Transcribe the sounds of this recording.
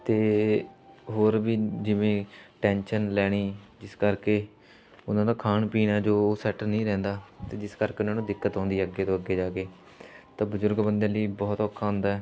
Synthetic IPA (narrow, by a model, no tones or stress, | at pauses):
t̪eː | ɦoːɾbiːd͡ʒɪʋẽːʈɛ̃ːnʃənlɛːɽ̃iːd͡ʒɪskəɾkeː | ʊnãːd̪aːkʰaːnpiːnɛːd͡ʒoːsɛːʈənĩːɾɛ̃ːnd̪aːt̪eːd͡ʒɪskəɾkeːʊnãːnũːd̪ɪkːət̪ɦɔ̃ːnd̪iːəɡːeːt̪õːəɡːeːd͡ʒaːkeː | t̪ãːbʊzʊɾɡbənd̪ẽːliːbɔːt̪ɔːkʰːaːɦʊ̃nd̪aːɛː